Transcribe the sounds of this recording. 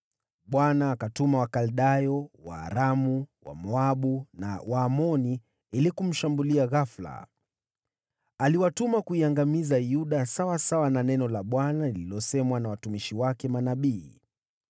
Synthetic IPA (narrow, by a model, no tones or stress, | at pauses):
ɓwanaːkatumawakalɗajɔwa̰ːɾamuwa̰mɔaɓunawaːmɔni | ilikum̩ʃambuliaɣafla̰ | aliwatumakuiaŋɡamizajuɗasawasawananɛnɔlaɓwanalililɔsɛmwanawatumiʃiwakɛmanaɓiː